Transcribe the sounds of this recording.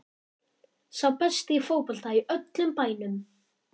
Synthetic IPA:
sawpɛst̪ɪifoːwpɔl̥t̪aiœt̪lʏmpaːjnʏm

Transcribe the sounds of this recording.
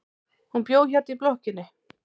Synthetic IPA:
hunpjoːwçaɾt̪iplohcɪnːɪ

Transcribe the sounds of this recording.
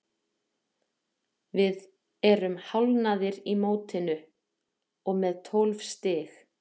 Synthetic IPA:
vɪð | ɛɾʏmhawlnaðɪɾimoːwt̪ʰɪnʏ | ɔɣmɛðt̪ʰɔlv̥st̪ɪːx

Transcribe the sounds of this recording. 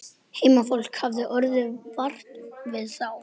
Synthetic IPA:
heːjmafowl̥khavðʏʔœɾðʏvar̥t̪vɪðθaw

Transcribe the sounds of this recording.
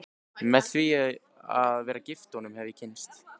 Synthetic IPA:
mɛðθvi | aðvɛːɾacɪft̪ɔnʏmhɛvɪcʰɪnst̪

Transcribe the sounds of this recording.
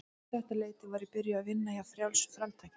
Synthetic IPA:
ɛht̪aleːjt̪ɪvaːɾɪpɪɾjaːðvɪnːajafɾjawlsfɾamt̪ʰajc

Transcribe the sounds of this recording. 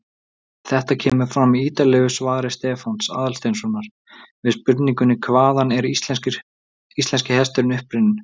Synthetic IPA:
θɛht̪acʰɛːmʏɾ̥fɾamiiːt̪alɛɣʏsvaːðɾɪst̪ɛːfansa̰ːðalst̪ejnsɔnaɾ̥ | vɪðspʏɾt̪niŋkʏnːɪkʰvaːðanɛɾit̪l | islɛnscɪhɛst̪ʏɾɪnʏhpɾɪnɪn

